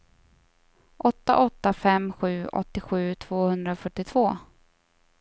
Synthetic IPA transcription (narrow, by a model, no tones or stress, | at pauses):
ʔɔt̪ːa̰ʔɔt̪ːafɛmɧʉ̟ːʔɔ̰t̪ːɪɧʉ̟ːt̪ʰv̥oːhɵnd̪ɾafœʈːɪt̪ʰv̥oː